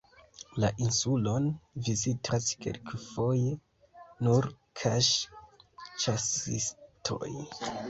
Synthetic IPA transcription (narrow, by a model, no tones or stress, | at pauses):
laʔinsulo̞nvizitʰaske̞̰lkfo̞je | nuɾ | kʰaʃ | t͡ʃasḭstʰo̰j